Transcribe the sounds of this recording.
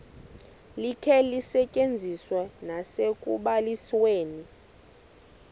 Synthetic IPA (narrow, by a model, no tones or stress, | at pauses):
likʰɛlisɛcʼend͡zʱiswɛnasekʼuɓalisweːni